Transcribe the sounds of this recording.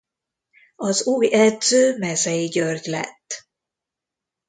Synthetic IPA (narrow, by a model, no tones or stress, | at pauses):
ɒzuːjɛd̪zøːmɛzɛjiɟørɟlɛ̰t̪ː